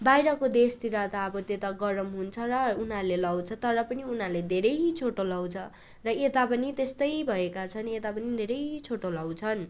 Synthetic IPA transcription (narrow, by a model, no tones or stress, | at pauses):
bajɾʌkod̪est̪iɾat̪aʌbʌt̪et̪aɡʌɾʌmɦunt͡sʰʌrʌunarlelʌwt͡sʰʌt̪ʌɾʌpʌniunaled̪ʱeɾʌjt͡sʰoʈolʌwt͡sʰʌ | rʌet̪apʌnit̪est̪ʌjbʱʌekat͡sʰʌnet̪apʌnid̪ʱeɾʌjt͡sʰoʈolʌwt͡sʰʌn